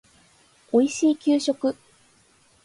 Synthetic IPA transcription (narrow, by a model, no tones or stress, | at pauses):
o̞iɕiːkʲɨːɕo̞kɯ̟